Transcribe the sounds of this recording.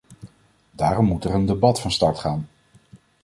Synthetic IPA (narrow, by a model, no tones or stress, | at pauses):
daːrɔmːutɛɹəndebɑtfɑnstɑɹtχaːn